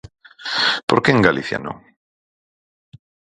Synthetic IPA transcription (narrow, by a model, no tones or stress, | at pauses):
poɾkeeŋɡalʔiθja̰nõŋ